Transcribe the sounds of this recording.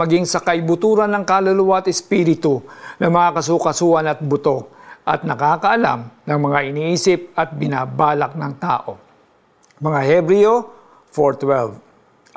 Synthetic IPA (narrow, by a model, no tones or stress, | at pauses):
ɐɡiŋsɐkajbʊt̪uːɾɐnɐŋkaːlɐlʊwaɐt̪ɛspiːɾɪt̪ʊnɐmɐŋakɐs̬ukɐsuːʔɐnɐt̪̚bʊt̪o̞ʔɐt̪̚nɐkaːkɐʔɐla̰mnɐŋmɐŋaʔɪniːʔiːsɪp̚ɐt̪̚bɪnaːbaːlɐk̚nɐŋt̪a̰ːʔo̞ | mɐŋahɛbɾio | foɹt̪wɛlv